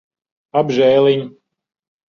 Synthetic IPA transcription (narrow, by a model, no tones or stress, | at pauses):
abʒɛːlˠiɲ